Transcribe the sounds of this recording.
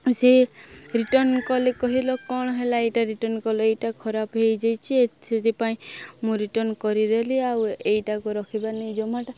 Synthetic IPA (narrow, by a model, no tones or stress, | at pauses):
seɾiʈɔnkɔlekɔɦilɔkɔ̃ɔɦelaejʈaɾiʈɔnkɔleejʈakʰɔɾapɦejd͡ʒajt͡ʃʰieset̪ipaĩmũɾiʈɔnkɔɾid̪eliawejʈakuɾɔkʰibanejd͡ʒɔmaʈa